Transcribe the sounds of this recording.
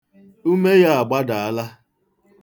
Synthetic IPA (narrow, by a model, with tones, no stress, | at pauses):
u˦me˦ja˦a˨ɡ͡ba˦da˨a˦la˦